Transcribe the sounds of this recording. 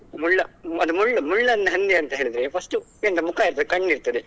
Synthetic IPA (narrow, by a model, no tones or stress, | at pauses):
muɭːɐɐd̪umuɭːɐmuɭːɐnːɐɦɐnd̪eɐnt̪ɐɦeːɭid̪ɾepʰɐsʈu | ent̪ɐmukaːiɾt̪ɐd̪kɐɳːiɾt̪ɐd̪e